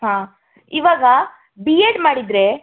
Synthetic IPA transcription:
ɦãː | iʋaːɡɐ | bieːɖmaːɽid̪ɾe

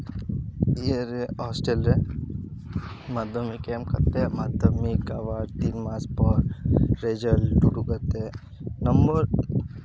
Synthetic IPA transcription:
ieɾeɔːsʈelɾe | maːd̪ʱəmikeːmkɐ̰ɾt̪emad̪ʱɐmikaːʋaːɾt̪iːnmaːspɔɾɾeːd͡ʒəlɖuɖukɐɾt̪e | nɐmbəɾ

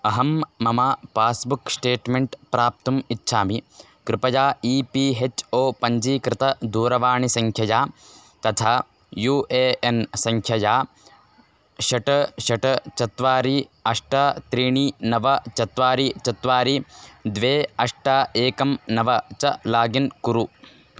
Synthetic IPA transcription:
ɐɦɐmːɐmɐpaːsbuksʈeːʈmeɳʈpɾaːp̚t̪umitːʃʰaːmi | kɾɪpɐjaːiːpiːɦet͡ʃoːpɐɲd͡ʒiːkɾɪt̪ɐd̪uːɾɐʋaːɳisɐŋkʰjɐjaː | t̪ɐt̪ʰaː | juːeːensɐŋkʰjɐjaː | ʃɐʈɐʃɐʈɐt͡ʃɐt̪ʋaːɾiɐʂʈaːt̪ɾiːɳinɐʋɐt͡ʃɐt̪ʋaːɾit͡ʃɐt̪ʋaːɾid̪ʋeːɐʂʈaːeːkɐmnɐʋɐt͡ʃɐlaːɡinkuɾu

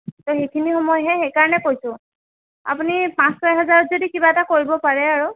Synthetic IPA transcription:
tɔxejkʰinixɔmɔjɦɛxejkaɹɔnɛkojsʊ̃ | a̰punipãsɔjɦɛzaɹɔtzodikibaɛtakoɹibɔpaɹɛaɹu

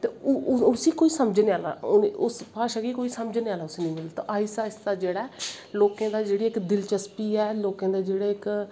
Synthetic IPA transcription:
t̪eːʊʊsiːkoːiːsəməd͡ʒneːaːla̰ːʊnʊspaːʃaɡiːkoːiːsəməd͡ʒneːaːlaːʊsiːnə̃ːmɪlt̪ã̰ʔaːisaːɪsd̪aːd͡ʒeːɽaːloːkãːd̪aːd͡ʒeːɽiːɪkd̪ɪlt͡ʃəspiːɛːloːkãːd̪aːd͡ʒeːɽaːɪk

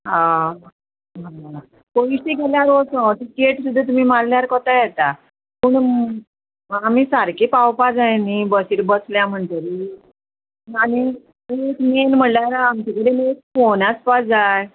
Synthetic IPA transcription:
ɦã | ɦa | koiɕikɛljaɾosɔ̃t̪ikeʈsud̪ʱːat̪̬um̤imalːjaɾkɔt̪ajɛt̪a | pəːɳ | am̤isaɾkepawpad͡zajnibəsiːɾbəsljam̤əɳt̪əɾi | ani | ekmenm̤əɳlaɾamt͡ɕakəɽemek̚fonaspad͡zaj

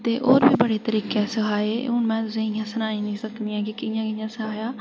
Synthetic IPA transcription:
t̪eːʔoːɾbʱiːbəɽeːt̪əɾiːkɛsəɦaːeːʊːnmɛ̃ːt̪ʊsẽɪjãːsənaːĩːnĩsəkd̪iːãːkikɪ̃jãːkɪjãːsəɦaːjaː

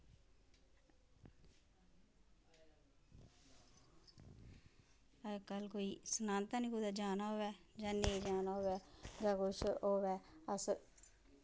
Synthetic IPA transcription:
əkəlkoːiːsənãːnt̪ãːniːkʊd̪aːd͡ʒaːnaːɦoːʋɛːd͡ʒãːneːd͡ʒaːnaːoːʋɛːd͡ʒãːkʊʃɦoːʋɛːəs

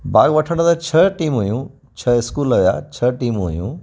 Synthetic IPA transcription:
bʱaːɡʋɐʈʰəɽ̃d̪at͡ɕʰɐʈiːmɦujũ | t͡ɕʰɐɪskuːlɐʋja̰t͡ɕʰɐʈiːmɦṵjṵ̃

